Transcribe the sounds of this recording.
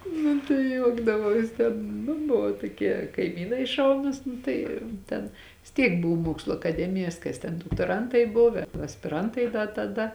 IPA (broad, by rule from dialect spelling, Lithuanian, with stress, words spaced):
nʊ tɐɪ ˈjuɔɡdɐʋɐʊs ˈtʲɛn nʊ ˈbʊʋoː toːˈkʲiɛ kɐɪˈmʲiːnɐɪ ˈʃɐʊnʊs ˈnʊ tɐɪ ˈtʲɛn ʋʲɪs ˈtʲiɛk ˈbʊw ˈmuɔkslˠʊ ɐkɐˈdʲæːmʲɪjɛs ˈkɐs tʲɛn doːktoːˈrɐntɐɪ ˈbʊw ɐsʲpʲɪˈrɐntɐɪ dɐ tɐˈdɐ